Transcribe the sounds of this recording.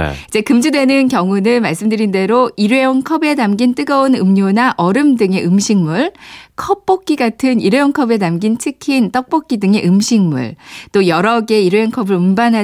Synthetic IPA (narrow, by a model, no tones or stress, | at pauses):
id͡ʑe̞kɯmd͡ʑudwe̞nɯnkjʌŋunɯnmaɭs͈ɯmdɯɾinde̞ɾoiɾweʌŋkʰʌbe̞namɡint͈ɯɡʌonɯmɲonaʔʌɾɯmdɯŋe̞ʔɯmɕʰiŋmuɭkʰʌp̚p͈ok͈iɡatʰɯniɾeʌnkʰʌbe̞namɡint͡ɕʰɯkʰint͈ʌk̚p͈ok͈idɯŋe̞ʔɯmɕʰiŋmṵɭt͈ojʌɾʌɡe̞iɾweʌŋkʰʌbɯɾumbanɦa